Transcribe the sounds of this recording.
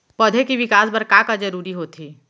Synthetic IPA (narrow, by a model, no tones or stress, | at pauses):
pɐd̪ʱekiʋɪkaːsbɐɾkakad͡ʒɐɾuːɾiɦoːt̪ʰiː